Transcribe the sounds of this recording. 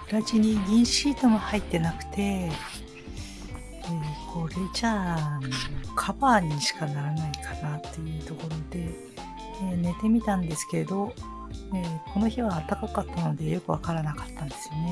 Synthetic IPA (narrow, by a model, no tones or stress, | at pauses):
ɯɾat͡ɕiɲ̟iɡʲĩɰ̃ɕiːt̪o̞mo̞hait̪ːe̞nakɯ̟̥t̪e̞ | ekʰo̞ːɾet͡ɕaːnokʰabaːɲ̟iɕi̥kanaɾanaikʰanat̪ːe̞jɯ̟ːt̪o̞ko̞ɾo̞d̪e̞ | ene̞t̪e̞mʲit̪ãnd̪e̞sɨ̥ke̞ɾe̞d̪o̞ | ekʰo̞no̞çiβaːt̪ːakakat̪ːano̞d̪e̞jo̞kɯ̟βakaɾanakḁt̪ːãnd̪e̞sɨjone